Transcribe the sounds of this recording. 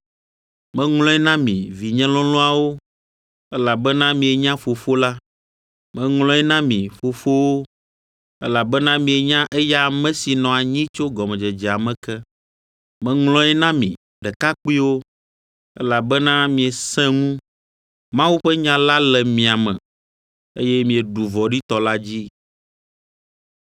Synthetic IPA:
mɛ̃˨ŋlɔ̃˦ɛ˦nã˦mḭ̃˨vi˨ɲɛ̃˦lɔ̃˦lɔ̃˦a˨wo˦ | ɛ˦la˨bɛ˦nã˦mĩ˨ɛ˨ɲã˦fo˨fo˦la˦ | mɛ̃˨ŋlɔ̃˦ɛ˦nã˦mĩ˨fo˨fo˦wo˦ | ɛ˦la˨bɛ˦nã˦mĩ˨e˨ɲã˦ʔɛ˦ja˦mɛ̃˦si˨nɔ̃˨a˨ɲĩ˦t͡ʃo˦ɡɔ˨mɛ̃˨d͡ʒɛ˨d͡ʒɛ˨a˨mɛ̃˨kɛ˦ | mɛ̃˨ŋlɔ̃˦ɛ˦nã˦mḭ̃˨ | ɖɛ˨ka˦k͡pi˦wo˦ | ɛ̰˦la˨bɛ˦nã˦mĩ˨ɛ˨sɛ̃˦ŋũ˦ | mã˦wu˦ɸɛ˦ɲã˦la˦lɛ˨mĩ˨a˨mɛ̰̃˨ | ḛ˦jɛ˦mĩ˨ɛ˨ɖu˨vɔ˨ɖi˦t̪ɔ˨la˦d͡ʑi˦

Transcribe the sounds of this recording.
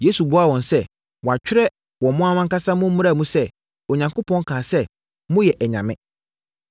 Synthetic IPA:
je˦su˨bʊ˦a˦wɔ̃˨nsɛ˦ | wɔ˨a˨t͡ɕᶣɪ˦ɾɛ˦ | wɔ̃˨mʊ̃˦a˦mã˦ŋka˦sã˦mʊ̃˦mũ˦ɾa˦˨mũ˦sɛ˦ | o˨ɲã˨ŋko˦pʰɔ̃˦ŋ˦kʰãː˨sɛ˦ | mʊ̃˦jɛ˨ʔɛ˨ɲã̰˨mɪ̰̃˦

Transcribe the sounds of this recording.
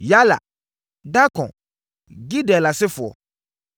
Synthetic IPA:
ja˦la̰˨ | da˦kɔ̃˨ | ɡi˦dɛ˨la˨sɪ˦fʊ˨ɔ̰˨

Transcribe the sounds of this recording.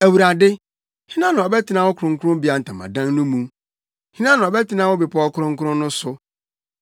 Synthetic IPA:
æ˨wu˨ɾa˨dɪ˦ | hi˦nã˦nʊ̃˨ɔ˨bɛ˦tʰɪ˨˦nã˦wʊ˦kʰʊ˨ɾʊ̃˨ŋkʰʊ˦ʊ̃˦m˦bi˦a˨n̩˨tʰã˨mã̰˨dã˦ŋnʊ̃˦mũ˦ | hĩ˦nã˦nʊ̃˨ɔ˨bɛ˦tʰɪ˦nã˦wʊ˦bi˨pʰɔ˦ɔ˦kʰʊ˦ɾʊ̃˦ŋ̩˦kʰʊ˦ɾʊ̃˦n˦nʊ̃˦sʊ˨

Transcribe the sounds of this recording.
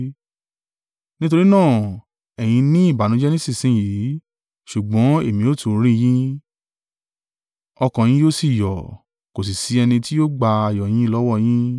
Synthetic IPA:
nĩ˦t̬o˧ɾi˦nãː˦˨ | ɛ˨j̃ĩ˧nĩ˦i˦˨ba˨˦nũ˧˦d͡ʒɛ˦nĩ˦si˦˨sĩ˨˦˨ji˨˦ | ʃu˨ɡ͡bɔ̃˨˦e˦˨mĩ˧˦o˦tu˨˦ɾ̃ĩ˦˧j̃ĩ˦ | ɔ˧kã˨j̃ĩ˦joː˦si˦˨jɔ˨ | ko˨s̬i˨si˨˧˦ɛ˧nĩ˧ti˦joː˦ɡ͡ba˧a˧˨jɔ˨j̃ĩ˨˦lɔ˦wɔ˦˧j̃ĩ˦

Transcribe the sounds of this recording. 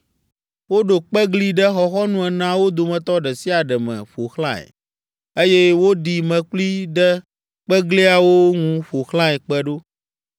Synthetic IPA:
wo˦ɖo˨k͡pɛ˦ɡli˦ɖɛ˦xɔ˨xɔ˦nũ˦ɛ˨nã˦wo˦d̪o˨mɛ̃˨t̪ɔ˦ɖɛ˨si˦a˨ɖɛ˨mɛ̰̃˨ɸo˨xlã˦ɛ̰˨ | e˦jɛ˦wo˦ɖi˨mɛ̃˨k͡pli˦ɖɛ˦ | k͡pɛ˦ɡli˦a˨wo˦ŋũ˦ɸo˨xlã˦ɛ˨k͡pɛ˦ɖo˦

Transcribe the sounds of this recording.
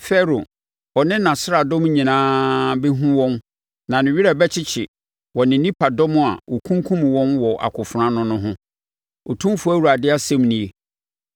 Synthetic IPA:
fɛ˦ɾo˨ | ɔ˨nɪ̃˦nã˨sɾa˨dɔ̃˦m˦ɲĩ˨nãː˦bɛ˦ɦũ˦wɔ̃˦m | nã˨nɪ̃˨ɥi˦ɾa˨bɛ˦t͡ɕʰɪ˦t͡ɕʰɪ˨ | wɔ˨nɪ̃˨nĩ˦pʰa˨dɔ̃˦mʊ̃˦˨a̰˨wɔ˨kʰũ˦ŋ˦kʰũ˦m˨wɔ̃˦nwɔ˨ʔa̰˨kʰʊ˨fʊ˨ɾã˦nʊ̃˦nʊ̃˦ɦʊ̃˦ | ɔ˨tʰũ˦m˦fu˨˦æ˦wu˨ɾa˨dɪ˦a˦sɛ̃˦mnĩ˨e˦

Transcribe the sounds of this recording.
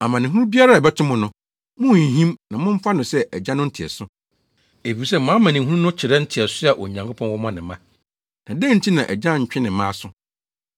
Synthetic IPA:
a˨mã˨nɪ̃˨ɦũ˦ɾũ˦bi˦a˦ɾa˦˨bɛ˦tʰɪ˦mʊ̃˨nʊ̃˨ | mʊ̃˦˨ɦĩ˦mnã˨mʊ̃˦m̩˦fa˦nʊ̃˨sɛ˦ʔæ˨d͡ʑã˦nʊ̃˦n̩˦tʰɛ̰˨sʊ˦ | e˨fi˨ɾs̬ɛ˦˨mãː˨˦mã˨nɪ̃˨˦ɦũ˦u˦nʊ̃˦t͡ɕʰɪ˨ɾɛ˦n̩˦tʰɪ˨ɛ˨sʊ˦a˨ʔɔ̰˨ɲã˨ŋkʰo˦pʰɔ̃˦wɔ˦mã˦nɪ̃˨mã˦ | nã˨dɛ̃˦n̩˦tʰi˦nã˨ʔæ˨d͡ʑã˦ɲ̩˨t͡ɕᶣɪ̃˦nɪ̃˨˦mã˦˨sʊ˦

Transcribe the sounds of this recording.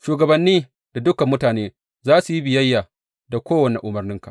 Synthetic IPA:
ʃuː˨ɡɐ˨bɐ˨nːiː˦ | da˨dʊ˦kɐ˨mːʊ˦taː˨neː˦ | zaː˦su˨ji˦bɪ˨jɐ˦jːa˨ | da˨kʷoː˦wɐ˨ne˨ʔʊ˨mɐ˨rnɪ˦ŋka˨

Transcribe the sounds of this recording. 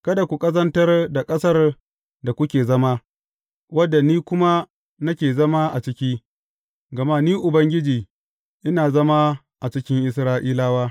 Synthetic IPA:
kɐ˦da˨kʷu˨kʼɐ˦zɐ˦ntɐ˦rda˨kʼɐ˦sɐ˦r | da˨kʷʊ˦kʲeː˨zɐ˦ma˦ | wɐ˦dːa˨niː˦kʷʊ˦ma˦ | nɐ˦kʲeː˨zɐ˦ma˦ʔa˨t͡ʃɪ˦kʲiː˦ | ɡɐ˨ma˦niː˦ʔʊ˨bɐ˦ŋɡʲɪ˦d͡ʒiː˨ | ʔɪ˦naː˨zɐ˦ma˦ | ʔa˨t͡ʃɪ˦kʲɪ˦ŋʔɪ˦sɾaː˦ʔiː˦laː˦waː˦

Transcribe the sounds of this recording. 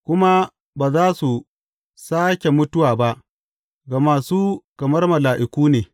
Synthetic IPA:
kʷʊ˦ma˦ | baː˨zaː˦su˨ | saː˦kʲe˨mʊ˦tʊ˦waː˨ba˦ʔ | ɡaː˨maː˨suː˦kɐ˨mɐ˦rmɐ˨laː˨ʔɪ˨kʷuː˦neː˨

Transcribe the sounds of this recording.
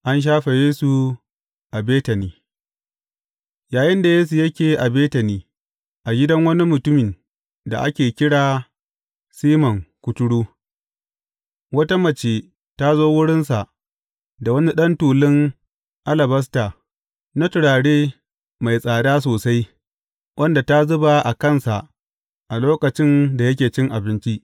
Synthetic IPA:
ʔa˦nʃ̬aː˦ɸe˨jeː˦su˨ | ʔa˨beː˦tɐ˨niː˦ | jaː˨jɪ˦nda˨jeː˦s̬u˨jɐ˦kʲeː˨ʔa˨beː˦tɐ˨niː˦ | ʔa˨ɡʲɪ˦dɐ˦ŋwɐ˦ni˦mʊ˨tʊ˦mɪ˨n | da̰˨ʔa̰˦kʲeː˨kʲɪ˦ɽaː˨ | siː˦mɐ˨ŋkʷʊ˦tʊ˦ɽuː˦ | wɐ˦ta˦mɐ˨t͡ʃeː˨ | ta˦zoː˦wʊ˦ɽɪ˦nsa˨ʔ | da˨wɐ˦ni˦ɗɐ˦ntuː˨lɪ˦ŋ | ʔa˦lɐ˨bɐ˦s̬taː˨ | na˦tʊ˨ɽaː˨ɽeː˦ | ma˨jsʼaː˨daː˦s̬oː˨sa˦j | wʔɐ˦nda˨ta˦zʊ˦ba˨ʔa˨kɐ˦˨nsa˨ʔ | ʔa˨loː˦kɐ˨t͡ʃɪ˦nda˨jɐ˦kʲeː˨t͡ʃɪ˦ŋʔa˨bɪ˦nt͡ʃi˦ʔ

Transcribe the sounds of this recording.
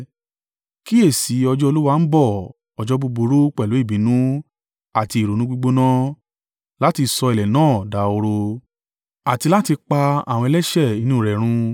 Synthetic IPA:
ki˦e˦˨si˨˦ɔ˧d͡ʒɔ˦o˧lu˦wa˧n̩˦bɔ˦˨ | ɔ˨d͡ʒɔ˦bo˧bo˧ɾo˦k͡pɛ˦˨lo˨˦i˦˨bĩ˨˦nũ˦ | a˦˨ti˧˨ɾo˨nũ˦ɡ͡bu˦ɡ͡bo˦nã˦ | la˨˦ti˧˨sɔ˧i˨lɛ˨nãː˦˨da˧˦o˧ɾo˧ | a˨ti˧la˦ti˧k͡pa˧a̰˨w̃ɔ̃˧ɛ˧lɛ˦ʃɛ˦˨i˨˧nũ˦˨ɾɛ˨ɾ̃ũ˧

